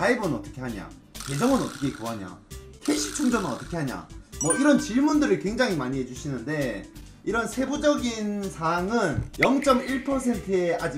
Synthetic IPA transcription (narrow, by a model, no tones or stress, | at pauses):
aebɯnʌt͈ʌkʰe̞ɦaɲa̰ | kwe̞d͡ʑʌŋɯnʌt͈ʌkʰekuɦaɲa̰kʰeɕʰi̥t͡ɕʰuŋd͡ʑʌmɯnʌt͈ʌkʰe̞haɲa̰mwʌiɾʌnt͡ɕiɭmundɯɾɯɭkwe̞ŋd͡ʑaŋɦimaɲiɦed͡ʑuɕʰinɯnde̞ | iɾʌnsʰe̞bud͡ʑʌɡinsʰaŋɯnjʌŋt͡ɕ͈ʌmiɭpʰʌsʰe̞ntʰɯead͡ʑi